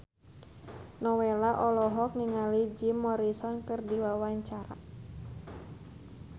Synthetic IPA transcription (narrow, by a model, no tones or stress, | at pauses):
nɔwɛlaʔɔlɔɦɔk̚niŋalid͡ʒimːɔɾisɔnkɨrdiwawaɲt͡ʃaɾa̰